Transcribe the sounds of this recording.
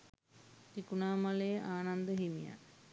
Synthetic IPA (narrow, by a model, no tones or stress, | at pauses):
tikunaːmalejəʔaːnand̪əɦimija̰